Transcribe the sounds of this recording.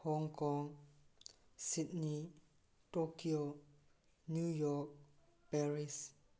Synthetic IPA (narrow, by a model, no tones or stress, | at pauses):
hɔŋkɔŋ | sit̚ni | tokio | njujɔk̚ | pɛɹis